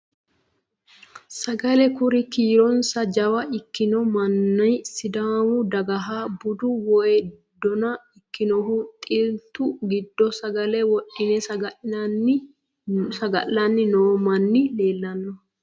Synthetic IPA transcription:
sɐɡɐlɛkʊɾɪkiːɾɔnsɐd͡ʒɐwɐʔɪkːɪnɔmɐnːɐjsɪd̪aːwʊd̪ɐɡɐɦaːbʊd̪ʊwɔjɛ | d̪ɔnɐɪkːɪnɔɦʊt̪ʼɪlt̪ʊɡɪd̪ːɔsɐɡɐlɛwɔʔːɪnɛsɐɡɐɪn | sɐɡɐ̰ʔːɐnːɪnoːmɐnːɪleːlːɐnːɔ

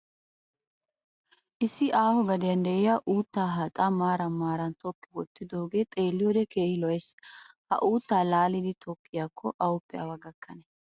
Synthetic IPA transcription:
ʔɪsːɪʔaːhɔɡɐd̪ɪjɐnd̪ɛʔɪjaʔuːt̪ːaːɦɐt̪ʼamaːɾɐmaːɾɐnt̪ɔkːɪwɔt̪ːɪd̪oːɡe̞ːt̪ʼe̞ːlːɪjɔd̪ɛkeːhɪlɔɛshɐ̰ʔuːt̪ːaːlaːlɪd̪ɪt̪ʰɔkʼːɪjaːkʰːɔʔɐwʊpːɛɐ̰wɐɡɐkʰːɐnɛ

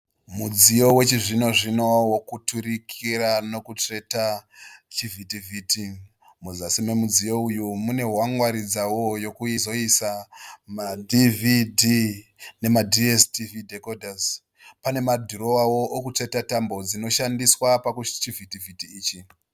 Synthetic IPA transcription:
mud͡zijo̞we̞t͡ʃiʐino̞ʐino̞wokutuɾikʰiɾano̞kut͡ʂe̞tat͡ʃivitiviti | muzasime̞mud͡zijo̞ujumune̞ɦwaŋwaɾid͡zawo̞jo̞kuizo̞isamadividine̞madʱiestividʱe̞kodʱaz | pane̞madʱuro̞wawo̞ʔːkut͡ʂe̞tatambo̞d͡zino̞ʃandiswapakut͡ʃivitivitiːt͡ʃi

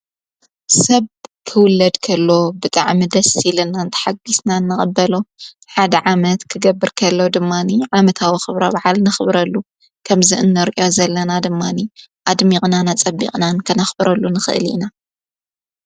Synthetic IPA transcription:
sɐβkʰɨwʊlːɐd̪kʰɐlːo̞bɨt̪ʼa̰ʕmid̪ɐsilɨnant̪ʰɐ̥ħaɡisnanːɨχʼɐbːɐlo̞ | ħad̪ɐʕamɐt̪kʰɨɡɐbːɨɾkʰɐlːo̞d̪ɨmːaniʕamɐt̪ʰawoxɨβɾobaʕalnɐxɨβɾɐlːu | kʰɐmziʔɨnːɐɾʔjo̞zɐlːɐnad̪ɨmːaniʔad̪miqʼnanat͡sʼɐbːḭqʼnankʰɐnɐxbɾɐlːunɨxɨ̰ʔɨlḭna

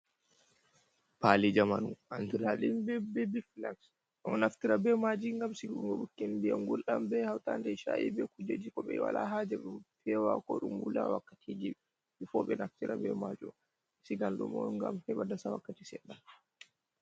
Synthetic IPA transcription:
palid͡ʒamanuʔantiɾalinbɛbɛbiflaks | ɗɔnaftiɾabɛmad͡ʒiŋɡamsiɡŋɡɔɓukːindijamɡulɗambɛhawtandɛʃaʔḭbɛkud͡ʒed͡ʒikɔɓɛwa̰laɦad͡ʒɛɓɛfʰɛwakɔɗumwulawakːatʰid͡ʒiɓɛ | ifɔɓɛnaftiɾabɛ̰mad͡ʒum | siɡandumɔŋɡa̰mhɛɓadasawakːatisɛɗːan

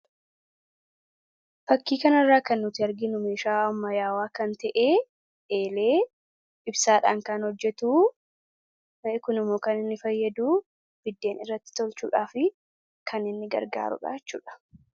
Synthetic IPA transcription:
fɐkːiːkɐnɐrːaːkɐnːʊt̪ɪɐɾɡɪnʊmeːʃaːɐmːɐjaːwaːkɐnt̪ɐʔeː | ʔeːleː | ɪbsaːᶑaːŋkaːnhɔd͡ʒːɛt̪uː | kʊnɪmo̞ːkɐnɪnːɪfɐjːɐd̪uː | b̥ɪd̪ːe̞ːnɪrːɐt̪ːɪ̥t̪ɔlt͡ʃuːᶑaːfɪ | kʰɐnɪnːɪɡɐ̰ɾɡa̰ːɾʊ̰ᶑa̰ːt͡ʃːṵːᶑɐ̥

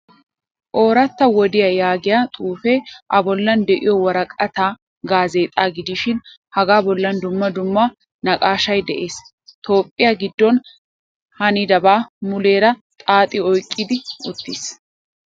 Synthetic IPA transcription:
ʔo̞ːɾɐt̪ːɐwɔd̪ɪjɐjaːɡɪjat̪ʼuːfɛʔɐbɔlːɐnd̪ɛʔɪjɔwɐɾɐkʼɐt̪aː | ɡaːze̞ːt̪ʼaːɡɪd̪ɪʃɪn | hɐɡaːbɔlːɐnd̪ʊmːɐd̪ʊmːɐ | nɐkʼaːʃɐjd̪ɛʔe̞ːs | t̪o̞ːpʼːɪjaɡɪd̪ːɔn | hɐnɪd̪ɐbaːmʊle̞ːɾɐt̪ʼaːt̪ʼɪɔjkʼːɪd̪ɪʊt̪ːɪs

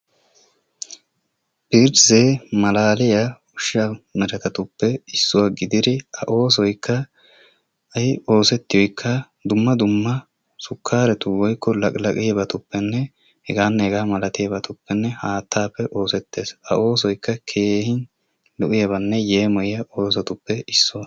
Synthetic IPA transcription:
b̥ɪɾzeːmɐlaːlɪjɐ | ʊʃːamɛɾɐt̪ɐt̪ʊpːɛɪsːʊwaɡɪd̪ɪd̪ɪɐʔo̞ːs̬ɔjkʰːɐ | ɐjo̞ːsɛt̪ːɪjɔjkʰːɐ | d̪ʊmːɐd̪ʊmːɐ | sʊkʰːaːɾɛt̪ʊwɔjkʰːɔlɐkʼlɐkʼɪjɐbɐt̪ʊpːɛnːɛ | hɛɡaːnːɛhɛɡaːmɐlɐt̪ɪjɐbɐt̪ʊpːɛnːɛhaːt̪ːaːpːɛʔo̞ːsɛt̪ːe̞ːsɐ̰ʔo̞ːs̬ɔjkːɐkʰe̞ːhɪn | lʊʔɪjɐbɐnːɛjeːmɔjɪjɐʔoːs̬ɐt̪ʊpːɛɪsːʊwɐ

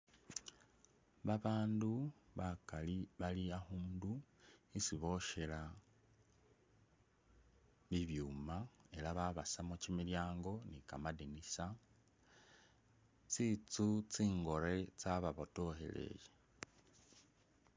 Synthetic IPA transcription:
βaβaːnduβakaliβaliaxuːnduisiβo̞ʃela | βiβjuːmae̞laβaβasamucimiljaːŋɡo̞nikamadinisa | t͡sit͡sut͡siːŋɡo̞ɾe̞t͡saβaβoto̞he̞̰le̞̰je

